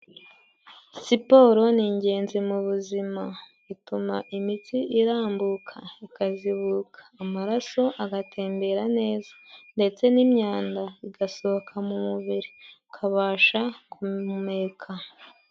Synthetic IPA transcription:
sipo̞ːɾo̞niːɲɟe̞ːnzimuβuzima | itumaʔimitiʔiɾaːmbukʰaikaziβukḁːmaɾaso̞ʔaɡatʰe̞ːmbe̞ɾane̞ːzḁnde̞t͡se̞nimɲaːndaiɡaso̞βokʰamumuβiɾi | kʰaβaːʃakumeːkʰa

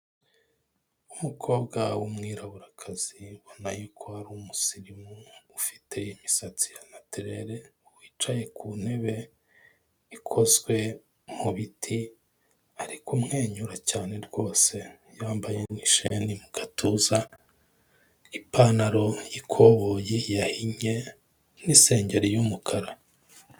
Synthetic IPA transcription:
umukʰo̞ːbɡawumŋiːɾaβuɾakʰaz̥iβonajukʰohaɾuːmusiɾimuːfi̥te̞jimisat͡si̥janateɾe̞ɾe̞wiːt͡ʃaje̞kʰun̥he̞βe̞ | ikʰo̞zɡwe̞ | muβitʰi | aɾikʰumŋe̞ːɲuɾacaːne̞ɾɡo̞ːse̞ | jaːmbaje̞niʃenimuɡ̥atʰuːza | ipanaɾo̞jikʰoβojejahiɲe̞ | nise̞ːɲɟe̞ɾijumukʰaɾa

